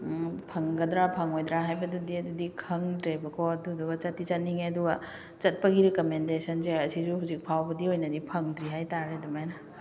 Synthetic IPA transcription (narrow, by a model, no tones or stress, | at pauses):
pʰɐŋɡɐd̪ɾapʰɐŋojd̪ɾaɦajbɐdudiɐdudikʰɐŋdɾebɐkʰoɐduduɡɐt͡ʃɐtːit͡ʃɐniŋeɐduɡɐ | t͡ʃɐt̚pɐɡiɾekomendesɐnzeɐsizuhuwzik̚pʰawbɐdiojnɐdipʰɐŋdɾiɦajtaɾedumajnɐ